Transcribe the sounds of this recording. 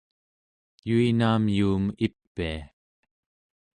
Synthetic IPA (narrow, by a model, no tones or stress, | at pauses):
juinaːmjuːmipːia